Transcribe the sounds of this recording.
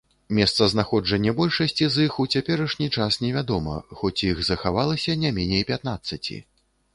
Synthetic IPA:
mʲɛst̪sɐznaxɔd͡ʐɐnʲːɐbɔlʲʂɐsʲt͡sʲizixut͡sʲapʲɛɾɐʂnʲit͡ʂasnʲɛvʲad̪ɔmɐ̰xɔt͡sʲjixzɐxavalˠɐsʲɐnʲamʲɛnʲejpʲat̪nat̪sːɐt͡sʲḭ

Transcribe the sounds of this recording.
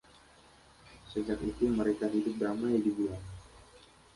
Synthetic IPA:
səd͡ʒakit̪uməɾekaɦidʊp̚damajdibulaŋ

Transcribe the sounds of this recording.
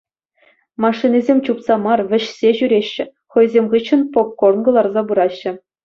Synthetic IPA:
mɑʂːinʲizʲemʲt͡ɕupsɑmɑrʋʲɘ̆ɕsʲeʑyɾʲeɕːɘ̆ | χɤ̆jzʲemʲʁɯt͡ɕːɤ̆npop̚kornɡɤ̆lˠɑrzɑbuɾɑɕːɘ̆

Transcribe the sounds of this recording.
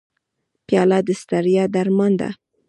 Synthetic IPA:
pjɑlad̪əst̪aɾjɑd̪aɾmand̪a̰

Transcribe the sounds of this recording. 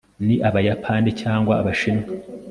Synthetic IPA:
niʔaβajapʰanicaːŋɡwaːβaʃina

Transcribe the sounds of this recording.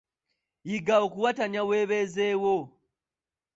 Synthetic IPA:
jiɡaokuwataɲaweβezewo

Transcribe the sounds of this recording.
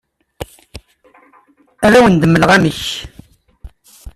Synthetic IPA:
æðæwənd̪əmːələʁæməç

